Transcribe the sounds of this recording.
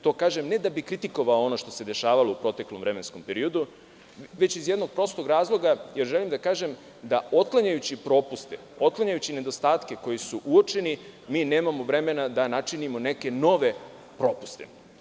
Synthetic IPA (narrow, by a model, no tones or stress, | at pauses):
t̪o̞ːkaːʒemne̞d̪abikɾit̪iko̞ʋaoo̞no̞ʃt̪o̞̥se̞d̪e̞ʃaːʋaloupɾot̪e̞klomʋvɾe̞mensko̞mpeɾio̞d̪u | ʋe̞t͡ɕizje̞d̪no̞ɡ̚pɾo̞st̪oɡɾaːzlˠo̞ɡaje̞ɾʒe̞limd̪akaːʒem | d̪ao̞t̪̚klaɲajut͡ɕipɾo̞ːpust̪eo̞t̪̚klaɲajut͡ɕine̞d̪o̞st̪aːt̪ke̞ko̞jisuʔuo̞t͡ʃe̞nimiːne̞ːmamoʋɾe̞me̞nad̪anat͡ʃinimo̞ne̞ke̞no̞ʋe̞ | pɾo̞ːpu̥st̪ḛ